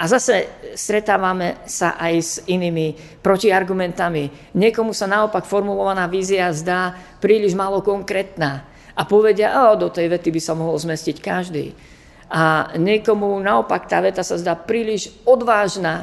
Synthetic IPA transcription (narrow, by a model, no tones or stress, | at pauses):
ʔazasɛst̪ɾɛt̪aːʋamɛsa̰ʔajziniːmi | pɾɔciaɾɡumɛnt̪ami | ɲɪɛkɔmusanaɔpakfɔɾmulɔʋanaːʋiːziazd̪aːpɾiːliʒmaːlɔkɔŋkɾɛːt̪naː | ʔapɔʋɛɟɪaʔad̪ɔt̪ɛjʋɛt̪ibisamɔɦɔlzmɛscickaʒd̪ḭː | aɲɪɛkɔmunaɔpakt̪a̰ːʋɛt̪asazd̪aːpɾiːliʒɔd̪ʋaːʒnaː